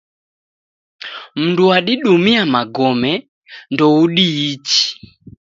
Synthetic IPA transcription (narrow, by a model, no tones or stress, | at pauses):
m̩nduaɗiɗumiamaɡɔmɛ | ndɔuɗiːt͡ʃi̥